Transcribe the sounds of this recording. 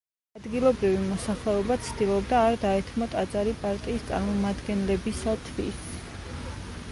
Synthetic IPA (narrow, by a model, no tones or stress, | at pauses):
ad̪ɡilˠɔbɾivimɔsaχlɛɔbat̪sʰd̪̥ilˠɔbd̪aːɾd̪aɛt̪ʰmɔt̪ʼat̪zʼaɾipʼaɾt̪ʼiːst̪sʼa̰ɾmɔmad̪ɡɛnlɛbisat̪ʰvḭs